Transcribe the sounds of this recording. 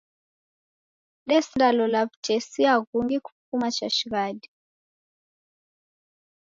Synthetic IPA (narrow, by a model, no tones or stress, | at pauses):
lesindʱalɔlaβu̥d͡ʒ̥ʱesiakuŋɡikʰupfumat͡ʃaʃiɣaːdi